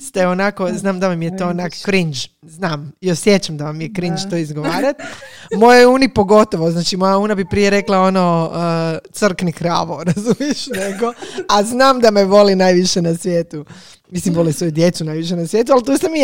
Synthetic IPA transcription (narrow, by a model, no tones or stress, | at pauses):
st̪eonako̞znaːmd̪aʋamijet̪oːonako̥kɾind͡ʒ | znaːmjosje̞t͡ʃamd̪aʋamijekɾint͡ʃt̪oːizɡoʋaːɾat̪mo̞jojuːnipo̞ɡo̞t̪oʋoznaːt͡ʃimo̞jauːnabipɾije̞ɾe̞klao̞noət̪sr̩knikɾa̰ːʋoɾazumjeʃne̞ɡoaznaːmd̪ameʋo̞linaːjʋiʃenasʋjeːt̪u | mislimʋo̞lisʋo̞jud̪je̞t̪sunaːjʋiʃ̬e̞nasjet̪̬ualt̪uːsami